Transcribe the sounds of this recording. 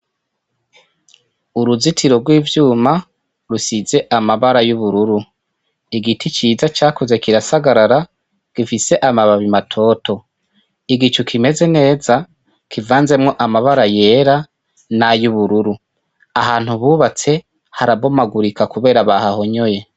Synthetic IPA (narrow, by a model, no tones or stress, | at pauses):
uɾuzitʰiɾo̞ɾɡwiːvjuːma | ɾusize̞ʔamaβaɾajuβuɾuɾu | iɡitit͡ʃiːzat͡ʃaːkoze̞kiɾasaɡaɾaɾa | ɡ̥ifise̞ʔamaβaβimatʰo̞tʰo̞ | iɡit͡ʃukʰime̞ze̞ne̞ːza | kivaːnze̞mŋo̞ʔamaβaɾaje̞ːɾa | najuβuɾuɾu | aɦaːnhuβuːβat͡se̞ | haɾaβo̞maɡuɾikakuβe̞ːɾaβahaho̞ɲoje̞